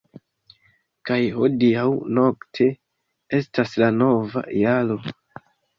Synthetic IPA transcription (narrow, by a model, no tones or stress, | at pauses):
kajho̞diawno̞ktʰe̞ | e̞staslano̞va̰jalo̞